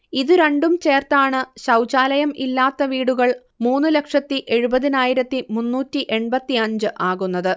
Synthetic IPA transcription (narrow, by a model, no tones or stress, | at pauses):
iðɨɾe̞ɳɖumt͡ɕe̞ːrt̪aːɳɨɕɐwt͡ɕaːlɐjɐmilːaːt̪ːɐʋiːɽuɣɐɭ | muːnːɨlɐkʂɐt̪ːiʔe̞ɻubɐðinaːjiɾɐt̪ːimunːuːtːiʔe̞ɳbɐt̪ːiɐɲd͡ʑɨʔaːɣunːɐðɨ